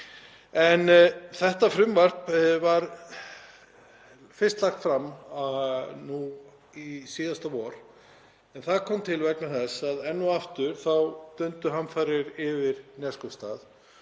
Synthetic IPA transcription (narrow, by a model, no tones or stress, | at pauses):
ɛnθɛht̪afɾʏmvar̥pvaɾ | fɪrst̪laxt̪fɾamːanu | isiːðast̪awɔːɾ̥ | ɛnθaðkʰɔmt̪ʰɪlvɛknaθɛsaðɛnːuaft̪ʏɾ̥θawt̪œnt̪ʏɦanfaːjɾɪɾɪvɪɾnɛskɔwst̪aːð